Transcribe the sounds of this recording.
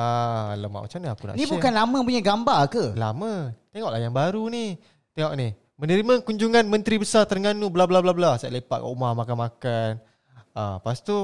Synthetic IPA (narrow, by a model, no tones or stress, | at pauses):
aləma̰ʔmə̰t͡ʃanaakunaʔnibukanlamə̃p̬uɲaɡambakəla̰mə̃t̪eŋɔʔlajaŋbaɾuni | t̪ɛŋɔʔnih | mənəɾimãkuɲd͡ʒuŋanmə̃nt̪ɾibəsart̪ərŋanubəlablablablasaʔlepaʔka̰ʔumahmakanmakan | əpast̪u